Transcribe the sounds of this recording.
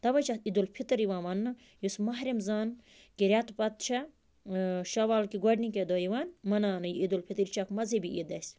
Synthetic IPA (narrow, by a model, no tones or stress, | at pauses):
t̪ɐʋɐt͡ʃaid̪ulpʰit̪ɨɾiʋãːʋɐnːɨ | jusmɐɦɾimzaːn | kiɾʲat̪pɐt̪̚t͡ʃʰɐ | ʃɐʋaːlkiɡɐɖniked̪oːjiʋaːnmɐnaːnɨjiid̪ulpʰit̪ɾt͡ʃʰakmɐzibiʔid̪ɐsʲ